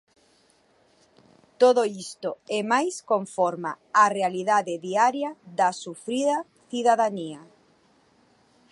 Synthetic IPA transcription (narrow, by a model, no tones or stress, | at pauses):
t̪oðoist̪oɛmajskoɱfoɾma̰ | arealiðaðeðiaɾjɐðɐsufɾiðɐ | θiðaðaniɐ